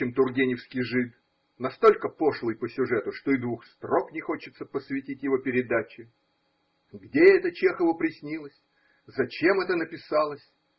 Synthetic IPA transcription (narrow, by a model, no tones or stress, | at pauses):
ɪmt̪ʊrɡʲenʲɪfskʲɪjʐɨt̪ | nɐst̪o̞lʲkəpo̞ʂlˠɨjpəsʲʊʐɛt̪ʊʂt̪o̞ɪd̪vuxst̪ɾoknʲɪxo̞t͡ɕɪt̪səpəsvʲɪtʲitʲjɪvo̞pʲɪɾʲɪd̪at͡ɕɪ | ɡdʲeɛt̪ət͡ɕexəvəpɾʲɪsʲnʲilˠəsʲ | zɐt͡ɕe̞mɛt̪ənəpʲɪsɑlˠəsʲ